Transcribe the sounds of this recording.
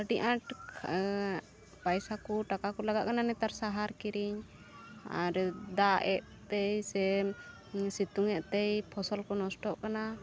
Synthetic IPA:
əɖiʔãʈʰ | pajsakuʈakakɔlaɡat̪̚kananɛt̪aɾsaɦaɾkiɾiɲ | a̰ɾd̪aʔɛʔ | t̪ɛjsɛ | sit̪uŋɛʔt̪ɛjpʰɔsɔlkɔnɔsʈɔʔkana

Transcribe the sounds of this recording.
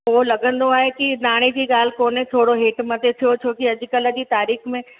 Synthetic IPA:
ʊɦolɐɡə̃nd̪oaːɦekinaːɽ̃ed͡ʑiːɠaːl̤ɪkoːnɦẽt̪ʰoːɽoɦeːʈmət̪et̪ʰijot͡ɕʰoːkiɐd͡ʑʱʊ̆kələd͡ʑiːt̪aːɾiːxmẽ

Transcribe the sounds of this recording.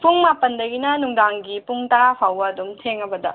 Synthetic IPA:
puŋmapɐndɐɡinɐnuŋdaŋɡipuŋtɐɾapʰawbɐːdumtʰeŋɐbɐdɐ

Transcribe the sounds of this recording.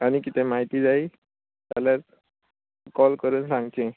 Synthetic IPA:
aɽ̃ikit̪ʰẽmaɦit̪iːd͡zai | t̪jaljaɾ | kɔlkəɾuːnsãŋɡt͡ɕẽ

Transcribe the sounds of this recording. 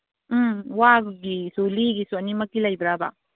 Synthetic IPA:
waɡɡisuliɡisuɐnimɐkːilajbɾaba̰

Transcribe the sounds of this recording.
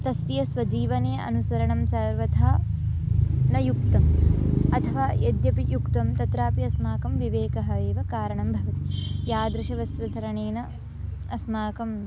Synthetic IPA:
t̪ɐsjɐsʋɐd͡ʒiːʋɐneːɐʔɐ̰nusɐɾɐɳɐmsɐɾʋɐd̪ʱaː | nɐjuk̚t̪ɐmɐt̪ʰɐʋaːjɐd̪jɐpijukt̪ɐmt̪ɐt̪ɾaːpiɐsmaːkɐmʋiʋeːkɐɦɐeːʋɐkaːɾɐɳɐmbʱɐʋɐt̪ijaːd̪ɾɐʃɐʋɐst̪ɾɐd̪ʱɐɾɐɳeːnɐ | ɐsmaːkɐm

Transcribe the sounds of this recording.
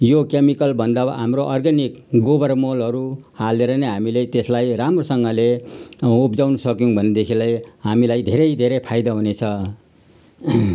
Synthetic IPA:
jokemikʌlbʱʌnd̪aɦamroʔʌrɡanik | ɡobʌrmolʌɾuhaleɾʌneɦamilet̪eslajramrosʌŋɡʌle | upd͡zawnʌsʌkjõbʱʌnːed̪ekʰilʌjɦamilajd̪ʱeɾʌjd̪ʱeɾepʰajd̪ʌɦunet͡sʰʌ

